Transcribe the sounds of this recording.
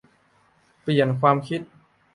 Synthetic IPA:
pli˨˩ənkʰwaː˧mkʰi˦˥t̪̚

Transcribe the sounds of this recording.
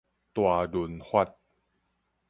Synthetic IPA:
t̪waː˨˧du˨˩nhʰwa˥˩t̪̚

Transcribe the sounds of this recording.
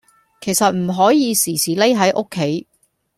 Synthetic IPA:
kʰe˨˩jsɐ˨t̚m̩˨˩ɦɔː˨˥jiː˨˧siː˨˩sʰiː˨˩le˥jɦɐ˨˥jʔo˥kʰːe˨˥j

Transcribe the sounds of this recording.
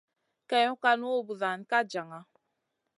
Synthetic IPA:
kɛ˦ju˦ka˦nu˦o˦bu˨ða˨n˨ka˦d͡ʒa˨ŋa˦

